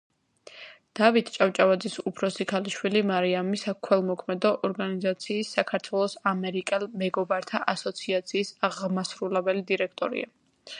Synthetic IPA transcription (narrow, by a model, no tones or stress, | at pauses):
d̪̥avit̪ʰt͡ʃʼaft͡ʃʼavad̪zisupʰɾɔsikʰaliʃwilimaɾiamisakʰwɛlˠmɔkʰmɛd̪ɔʔɔɾɡanizat̪sʰiːsːakʰaɾt̪ʰwɛlˠɔsamɛɾikʼɛlmɛɡɔbaɾt̪ʰaʔasɔt̪sʰiat̪sʰiːsaʁmasɾulɛbɛlid̪iɾɛkʰt̪ʼɔ̰ɾḭa̰